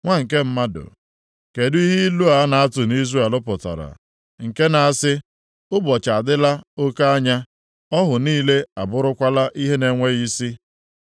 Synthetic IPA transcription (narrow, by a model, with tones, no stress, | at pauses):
ŋʷa˦ŋ̩˨ke˦m̩˦ma˦dʊ̰˨ | ke˨di˦ɦi˦lu˦a˨˦na˨a˦tʊ˨ni˦ze˦˨e˨lʊ˦pʊ˨ta̰˨ɾa̰˨ | ŋ̩˨ke˦na˨a˦sɪ˦ | ʊ˦bɔ˨t͡ʃa˨dɪ˦la˦o˦ka˦a˦ɲa˦ | ɔ˦ɦʊ˨niː˦le˦a˨bʊ˦ɾʊ˦kʷa˦la˦ʔi˦ɦe˦ne˨ŋʷe˦ɣi˦si˦